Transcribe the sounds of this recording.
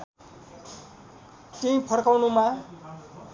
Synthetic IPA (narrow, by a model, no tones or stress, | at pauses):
teĩpʰʌrkawnuma